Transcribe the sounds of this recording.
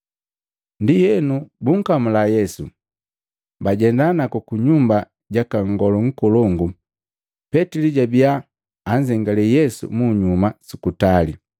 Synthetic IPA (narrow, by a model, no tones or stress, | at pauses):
ndijɛnubuŋ̩kamulajɛsu | baɟɛndanakukuɲumba | ɟakaŋɡɔlɔŋ̩kɔlɔŋɡu | pɛtiliɟabiaː | ɲzɛŋɡalɛjɛsṵmuɲumasukutali